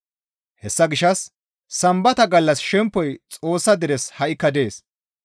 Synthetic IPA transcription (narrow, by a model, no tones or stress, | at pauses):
hɛsːɐɡɪʃɐsː | ɐmbɐt̪ɐɡɐlːɐsʃɛmpːɔjt͡sʼo̞ːsːɐd̪ɪɾɛshɐʔɪkːɐd̪e̞ːs